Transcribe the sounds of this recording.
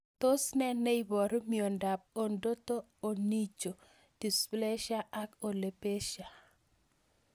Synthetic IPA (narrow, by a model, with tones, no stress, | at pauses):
t̪o˦snɛ˦nɛ˦ibɔ˨ɾmio˨nda˨p̚o˨ndo˦toː˦˨ni˦t͡ʃo˨ | d̥i˨sple˦ʃa˦ʔa˦ko˨le˨pe˦ʃa˨